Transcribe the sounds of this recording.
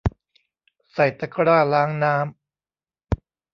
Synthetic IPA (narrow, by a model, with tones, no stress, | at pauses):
sa˨˩jt̪a˧˩kʰɾaː˥˩laː˦˥ŋnaː˦˥m